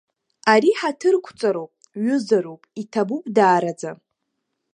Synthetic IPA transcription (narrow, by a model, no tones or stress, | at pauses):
aɾiħatʰɨrkʷʰt͡sʼaɾowpʼ | ɥʏzaɾopʼitʰabupʼdaːɾad͡za